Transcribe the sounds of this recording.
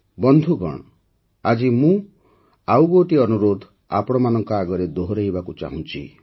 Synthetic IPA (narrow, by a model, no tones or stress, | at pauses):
bɔnd̪ʱuɡɔ̰ɽ̃ɔ | ad͡ʒimũ | awɡoʈiɔnuɾod̪ʱ | a̰pɔɽ̃ɔmanɔŋkɔaɡɔɾed̪oɦoɾeɦibakut͡ʃa̰ɦũt͡ʃʰḭ